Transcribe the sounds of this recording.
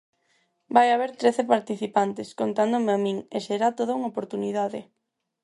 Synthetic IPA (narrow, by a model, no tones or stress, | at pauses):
bajaβeɾt̪ɾeθepaɾt̪iθipant̪ɪskont̪and̪omeamĩŋeseɾat̪oðouŋopoɾt̪uniðaðɪ